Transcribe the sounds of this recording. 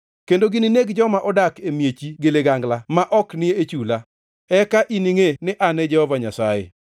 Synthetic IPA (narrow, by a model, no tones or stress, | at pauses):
kendoɡinineɡd͡ʒɔmaʔɔdakemjet͡ʃiɡeleɡaŋɡlamaʔɔknɪeːt͡ʃula | ɛkaʔiniŋenɪʔanɛd͡ʒɛhɔvaɲasajḛ